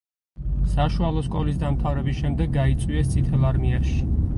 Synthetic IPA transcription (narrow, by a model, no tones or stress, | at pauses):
saʃualˠɔskʼɔlisd̪amt̪ʰavɾɛbisʃɛmd̪ɛɡːait̪sʼwiɛst̪sʼit̪ʰɛlˠaɾmiaʃi̥